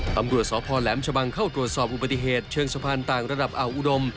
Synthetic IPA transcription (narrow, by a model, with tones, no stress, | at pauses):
t̪a˧mɾu˨˩ət̪̚sɔː˨˩˦pʰɔː˧lɛː˩˦mt͡ɕʰa˧ba˧ŋkʰa˥˩wt̪ɾu˨˩ət̪̚sɔː˨˩p̚ʔu˨˩ba˨˩t̪ːi˨˩ɦeː˨˩t̪̚t͡ɕʰɯː˧ŋsa˧pʰaː˧nt̪aː˨˩ŋɾa˧da˨˩p̚ʔa˨˩wʔu˨˩do˧m